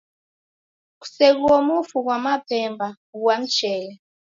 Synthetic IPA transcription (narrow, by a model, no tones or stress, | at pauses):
ku̥seɣ̬uwɔmufuk̬wamapʰɛmba | uwam̩t͡ʃɛːlɛ